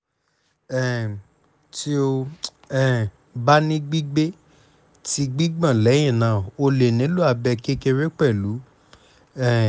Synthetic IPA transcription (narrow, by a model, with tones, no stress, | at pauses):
ɛ˨ | ti˦o˧ | ɛ˨ | ba˦nĩ˦ɡ͡bi˦ɡ͡be˦ | ti˦ɡ͡bi˦ɡ͡bã˦˨lɛ˨˦j̃ĩ˦˨nã˨˦˨o˧le˨nĩ˨˦lu˦a˧bɛ˧ke˦ke˧ɾe˦k͡pɛ˦˨lu˨˦ | ɛ˦˨